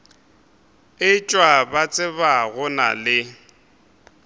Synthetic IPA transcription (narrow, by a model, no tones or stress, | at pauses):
ɪt͡ʃʼwabat͡sʼɪβaɣʊna̰lɪ